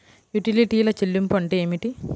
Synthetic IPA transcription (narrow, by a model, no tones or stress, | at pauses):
juʈiliʈijilɐt͡ʃelːumpɐɳʈeeːmiʈi